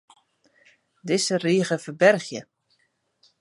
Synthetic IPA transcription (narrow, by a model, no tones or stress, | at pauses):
dɪsəriːəɣəfəbɛrxjə